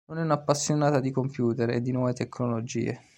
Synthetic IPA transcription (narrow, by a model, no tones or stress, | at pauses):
nonɛunapːasːjonaːt̪ad̪ikompjuːt̪eɾḛd̪ːinwɔːvet̪ekːnolod͡ʒḭːḛ